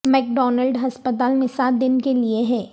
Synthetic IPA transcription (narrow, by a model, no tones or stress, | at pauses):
mɛːk̚ɖɔːnəlɖɦɐspət̪aːlmẽsaːt̪̚d̪ɪnkelieɦɛː